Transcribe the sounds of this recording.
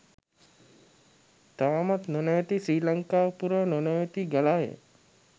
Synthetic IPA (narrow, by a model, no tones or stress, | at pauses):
t̪aʋamɐt̪nənəjt̪isɾiːləŋkaːpuɾənənəjt̪iɡɐlajḛ